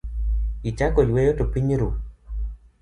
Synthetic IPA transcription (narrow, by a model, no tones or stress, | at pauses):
it͡ʃakojwejotopiɲɾu